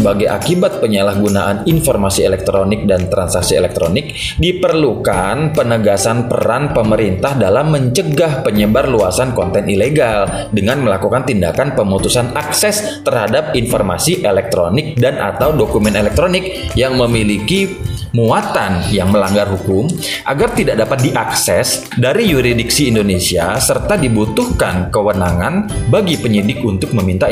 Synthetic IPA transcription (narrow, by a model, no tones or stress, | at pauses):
əbaɡajʔa̰kibat̪̚pəɲalahɡunaʔaninfɔrmasielɛk̚t̪ɾonɪk̚dant̪ɾansaksiḛlɛk̚t̪ɾonɪk̚ | dipərlukanpənəɡasanpə̰ɾanpəməɾint̪ahdalamːəɲt͡ʃəɡahpəɲəbarluasankɔnt̪ɛnileɡal | dəŋanməlakukant̪indakanpəmut̪usanaksɛs | t̪ərhadap̚informa̰siʔelɛk̚t̪ɾonɪk̚danʔa̰t̪awdokumɛnelɛk̚t̪ɾonɪk̚ | jaŋməmilikimuat̪anjaŋməlaŋɡarɦukʊm | ʔaɡart̪idak̚dapat̪̚diʔaksɛs | daɾijuɾidɪksiːndonesiasərt̪adibut̪uhkankəwənaŋanbaɡipəɲidɪkunt̪ʊk̚məmint̪a